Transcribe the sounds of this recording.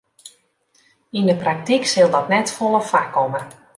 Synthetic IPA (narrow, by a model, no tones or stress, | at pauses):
indəprak̚tiksɪlˠdɔtnɛtfolˠəfakːɔmə